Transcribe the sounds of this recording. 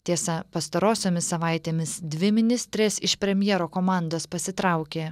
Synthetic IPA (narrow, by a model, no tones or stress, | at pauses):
t̪ʲiɛsɐpɐst̪ɐɾoːsʲoːmʲɪsːɐʋɑˑɪt̪ʲeːmʲɪsd̪ʲʋʲɪmʲɪnʲɪsʲt̪ʲɾʲeːsɪʃpʲɾʲɛmʲjɛɾoːkoːmɑˑnd̪oːspɐsʲɪt̪ɾɑˑʊkʲeː